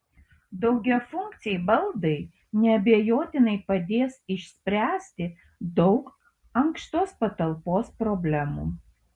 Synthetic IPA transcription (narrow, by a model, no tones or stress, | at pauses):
d̪ɒʊɡʲɛfʊŋkt̪sʲɪjbɐlˠd̪ɐɪ | nʲɛɐbʲejoːt̪ʲɪnɐɪpɐd̪ʲeːsɪʃʲsʲpʲɾʲæːsʲt̪ʲɪ | d̪ɒʊk | ɐŋkʃt̪oːspɐt̪ɐlˠpoːspɾɔbʲlʲɛmṵː